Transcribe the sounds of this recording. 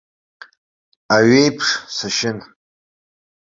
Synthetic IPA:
aɥejpʰʂsaʃɪn

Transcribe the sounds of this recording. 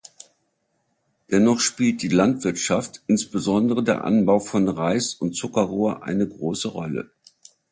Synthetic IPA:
d̥ɛnɔχʃpiːlt̚d̥iːlantv̥ɪɐtʃaftʔɪnsb̥əzɔndəʁ̞ədeːɐʔa̰nbaʊfɔnʁaɪsʊntt͡sʊkɐʁoːɐʔa̰ɪnəɡʁoːsəʁɔlə̰

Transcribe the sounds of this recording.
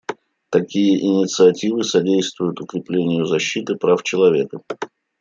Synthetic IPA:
t̪ɐkʲijəʔɪnʲɪt̪sɨɐtʲivɨsɐdʲejst̪vʊjʊt̪ʊkɾʲɪplʲenʲɪjʊzɐɕːit̪ɨpɾaft͡ɕɪlˠɐvʲe̞kə

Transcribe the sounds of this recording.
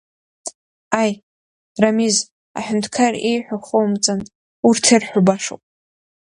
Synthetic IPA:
aj | ramiz | a̰ħᶣʊntʰkʰarejħʷᶣaχowmt͡sʼan | urtʰerħʷʊbaʂo̰wpʼ

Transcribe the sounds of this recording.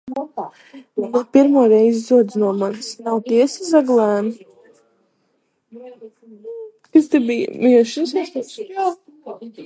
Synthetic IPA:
napiɾmuɔɾɛjzzuɔd̪znuɔmansnawt̪iɛsizaɡlˠæːn | kast̪ɛbij̰miɛʃɨs

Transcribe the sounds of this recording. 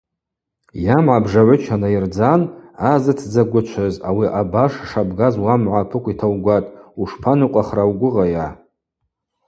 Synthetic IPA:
jamʕabʐaʕʷʊt͡ʃʰanaird͡zanazɨtʰd͡zaɡʷʊt͡ʃʷʰazawiʔabaʂʂabɡazwamʕʷapʰɨkʷitʰawɡʷatʼuʂpʰanuqʷʼaχrawɡʷʊʁaja

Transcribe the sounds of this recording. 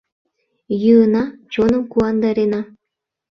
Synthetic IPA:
jɯɤ̆nɑt͡ɕonɤ̆mkuɑnd̪ɑɾʲenɑ

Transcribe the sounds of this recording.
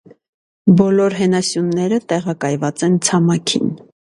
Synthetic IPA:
bɔlɔɾɦɛnɑsjunːɛɾət̪ɛʁɑkɑjvɑt͡sɛnt͡sʰɑmɑkʰḭn

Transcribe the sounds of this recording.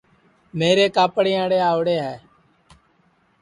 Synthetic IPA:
meːɾeːkaːpɽeːãːɽeːaːʊɽeːɦɛː

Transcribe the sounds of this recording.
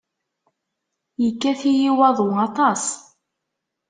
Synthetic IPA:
jəkːæθijiwɑðˤwɑt̪ˤɑs

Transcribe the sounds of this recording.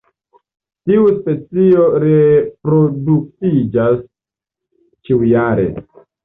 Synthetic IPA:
tiuspe̞t͡sio̞ɾepɾo̞duk̚tid͡ʒas | t͡ʃiwujaɾe̞̰

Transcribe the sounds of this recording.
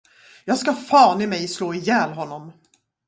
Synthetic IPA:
jɑːɡskafɑːnɪmɛjsloːɪjɛːlɦɔnːɔm

